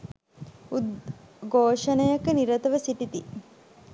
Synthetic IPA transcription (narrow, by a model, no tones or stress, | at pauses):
ud̪ɡoːʂɐnəjɐkəniɾɐt̪əʋəsiʈit̪i